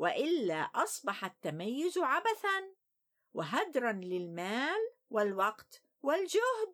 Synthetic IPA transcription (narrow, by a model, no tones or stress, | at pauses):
wɪʔɪlːaːʔɑsˤbɑħat̪ːamajːʊzʕabaθan | wɪɦad̪ɾˤanlɪlmaːlwɪlwɑqt̪ | wɪld͡ʒʊhd̪̚